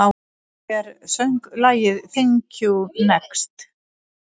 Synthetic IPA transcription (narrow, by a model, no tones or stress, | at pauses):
a | ɛɾsœŋklaːjɪðθɪŋcʰunɛkst̪